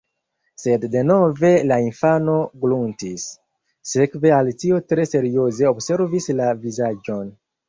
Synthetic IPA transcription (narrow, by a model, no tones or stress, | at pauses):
se̞dːe̞no̞ve̞lainfano̞ɡluntisː | e̞kve̞altio̞tɾe̞se̞ɾio̞ze̞obse̞ɾvislavizad͡ʒo̞n